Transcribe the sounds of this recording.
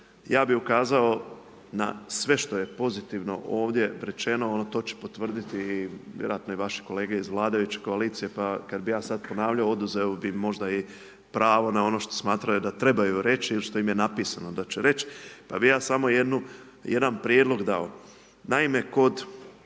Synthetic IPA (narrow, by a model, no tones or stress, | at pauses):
jaːbiukaːzao̞ | na̰sʋe̞ʃt̪oje̞po̞zit̪iʋno̞̰ʔoːʋd̪je̞ɾe̞t͡ʃe̞no̞onot̪o̞ːt͡ɕe̥po̞t̪ʋr̩d̪it̪ijeɾo̰at̪no̞iʋaʃi̥ko̞le̞ːɡeizʋlˠaːd̪aʋit͡ʃe̥ko̞aliːt̪sije̞pakad̪bijaːsad̪po̞naːʋʎaoo̞d̪uzeobimːo̞ʒd̪ai | pɾaːʋo̞nao̞no̞ʃt̪o̞̥smaːt̪ɾajud̪at̪ɾe̞bajuɾe̞t͡ɕiiliʃt̪o̞imjenapiːsano̞d̪at͡ɕeɾe̞t͡ʃpabijaːsamo̞jed̪nu | je̞d̪anpɾjed̪lˠo̞ɡd̪ao | naime̞ko̞d̪